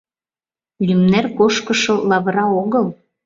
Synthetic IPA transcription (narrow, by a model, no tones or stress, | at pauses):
lymnerkoʃkɤʃolɑβɾɑoɣəl